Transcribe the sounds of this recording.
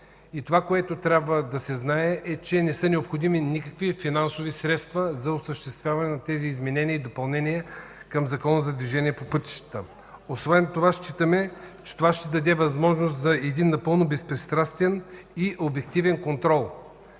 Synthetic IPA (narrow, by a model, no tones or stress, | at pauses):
it̪ovakoɛt̪ot̪ɾʲjabvəd̪ɐsɛznaɛʔɛt͡ʃɛnɛsɤnɛopxod̪iminikəkvifinansovisɾɛt̪st̪vəzɐosəʃt̪ɛst̪vʲjavɐnɛnɐt̪ɛziːzmɛnɛniəid̪opɐlˠnɛniɛkɐmzɐkɔnəzɐd̪viʒɛnʲiɛpopɤt̪i̥ʃt̪ə̥t̪ə | osvɛnt̪ovaʃt͡ʃit̪əmɛt͡ʃɛ̥t̪ovaʃt̪ɛd̪ɐd̪ɛvɐzmɔʒnos̬t̪zɐɛd̪inːɐpɤlˠnobɛspɾɛst̪ɾast̪vɛniʔobɛk̚t̪ivɛnkont̪ɾɔlˠ